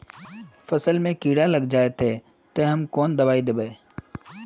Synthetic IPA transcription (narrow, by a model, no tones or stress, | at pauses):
fəsəlmẽkiːɽaləɡd͡ʒaːet̪eː | t̪eɦɐmkɔːnd̪ɐbaːid̪eːbeː